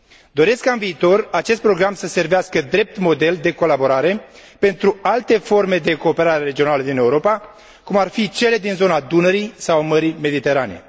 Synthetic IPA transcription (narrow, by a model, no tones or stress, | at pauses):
d̪o̞ɾe̞skːaɨnviːt̪o̞rat͡ʃe̞s̬t̪̚pɾo̞ɡɾamsəse̞rveaskəd̪ɾe̞p̚t̪mo̞d̪e̞ld̪e̞ko̞labo̞ɾaɾe̞pe̞nt̪ɾualt̪e̞fo̞rme̞d̪e̞ko̞ːpe̞ɾaɾe̞ɾe̞d͡ʒio̞naləd̪ine̞uɾo̞pa | kumarfit͡ʃe̞le̞d̪inzo̞nad̪unəɾisawməɾime̞d̪it̪e̞ɾane̞̰